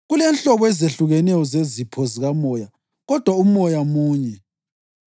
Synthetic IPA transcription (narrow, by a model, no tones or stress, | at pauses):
ɣulɛnɬɔβɔɛzeɬuɣɛnɛjɔzezipʰɔziɣamɔja | ɣɔd̥ʱwaumɔjamuːɲɛ